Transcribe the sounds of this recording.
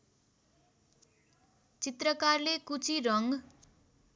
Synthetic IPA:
t͡sit̪rʌkarlekut͡sʰirʌŋɡ

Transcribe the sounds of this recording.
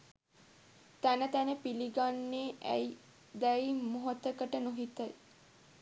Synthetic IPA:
t̪ænət̪ænəpiliɡanːeːʔæ̰j | d̪æjmuɦot̪ːəkəʈənoɦit̪əj

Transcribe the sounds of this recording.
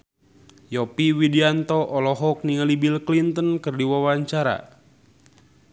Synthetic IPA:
jɔpiwidiant̪ɔʔɔlɔɦɔk̚niŋalibilklint̪ənkərdiwawaɲt͡ʃaɾa̰

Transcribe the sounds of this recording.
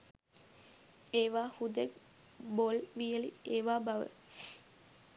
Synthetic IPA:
eːʋaːhud̪ek̚ | bolʋijəlieːʋaːbaʋə̰

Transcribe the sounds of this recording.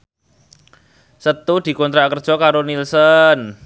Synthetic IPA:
sət̪ud̪̥i̤kɔnt̪ɾakərd̥ʒ̥ɔ̤kaɾonilsən

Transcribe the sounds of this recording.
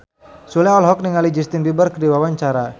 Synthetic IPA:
sulɛɔlɦɔk̚niŋalid͡ʒist̪inbibərkədiwawaɲt͡ʃaɾa

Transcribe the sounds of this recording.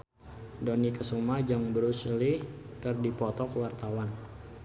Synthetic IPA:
donikəsumad͡ʒaŋbəɾuslikərdipɔt̪ɔkəwart̪awan

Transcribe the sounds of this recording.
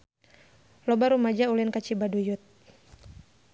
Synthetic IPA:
lɔbaɾumad͡ʒaulinkat͡ʃibadujut̪̚

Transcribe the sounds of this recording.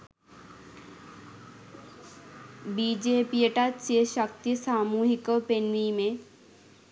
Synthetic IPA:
bid͡ʒepieʈat͡ʃeʃək̚t̪isaːmuːɦikopenʋimẽ

